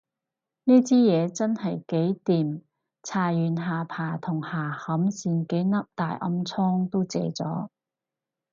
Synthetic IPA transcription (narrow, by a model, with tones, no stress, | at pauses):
niː˥t͡siː˥jɛː˨˧t͡sɐ˥nhɐ˨jke˨˥jt̪iː˨m | t͡sʰaː˨˩jyː˨˧nɦaː˨˩pʰaː˨˩t̪ʰʊ˨˩ŋhaː˨˩hɐ˨˥msiː˧nke˨˥jnɐ˥p̚t̪aː˨jʔɐ̰˧mt͡sʰɔː˥ŋt̪o˥wt͡sḛː˧t͡sɔː˨˥